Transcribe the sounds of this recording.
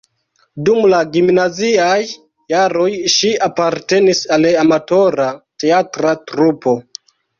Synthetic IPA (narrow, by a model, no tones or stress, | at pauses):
dumlaɡimnaziajː | aɾo̞jʃiapaɾte̞nisaleamato̞ɾate̞atɾatɾupo̞